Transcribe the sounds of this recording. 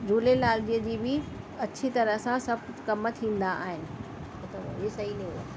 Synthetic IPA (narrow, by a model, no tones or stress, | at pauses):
d͡ʑuːlelaːldiəd͡ʑiːbɪ | ɐt͡ɕʰit̪ɐɾəɦsãsɐb̚ʱkɐmət̪ʰĩːnd̪aʔaːɦɪnɪ̆ | ot̪ɐʋisɐɦinĩuaː